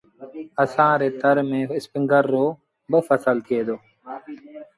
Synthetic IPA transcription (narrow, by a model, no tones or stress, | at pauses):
əsãːɾeːt̪əɾmẽːɪspɪŋɡəɾːoː | bəfəsəlkeːd̪oː